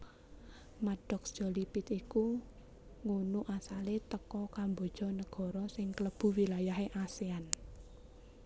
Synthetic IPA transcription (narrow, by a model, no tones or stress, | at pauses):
maɖ̥ɔksd̥ʒ̥ɔ̤lipɪt̪iku | ŋunuʔasalet̪əkɔkambɔ̤d̥ʒ̥ɔ̤nəɡ̥ɔ̤ɾɔsɪŋkələb̥ṳwilajaɦeʔasean